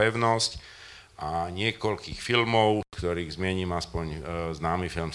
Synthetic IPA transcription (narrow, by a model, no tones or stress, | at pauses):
ɛʊnɔsc | ʔaɲɪɛkɔlkiːxfilmɔʊkt̪ɔɾiːɣzmɪɛɲiːmaspɔɲznaːmifilm